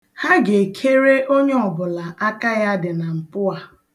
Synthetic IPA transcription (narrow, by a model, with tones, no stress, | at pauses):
ha˦ɡe˨kʰe˦ɾe˦ʔo˦ɲe˦ɔ˨bʊ˨la˨ʔa˦ka˦ja˦dɪ˨na˨m̩˨pʊ˦a˨